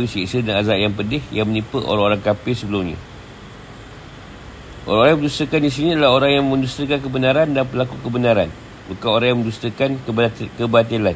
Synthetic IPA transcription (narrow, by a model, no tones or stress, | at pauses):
wisisədanazaʔjaŋpədɪhja̰ŋmənipəʔo̰ɾaŋoɾaŋkapɪhsəbəlumɲã̰ | ʔo̰ɾaŋoɾajamə̃d͡ʒust̪əkanis̬inid̪əlahoɾaŋjaŋmə̃ɲd͡ʒust̪ɾəkank̬əbənaɾandanpəlakukəbənaɾan | bukanoɾaŋjãŋmənd͡ʒust̪əkankkəbat̪ilan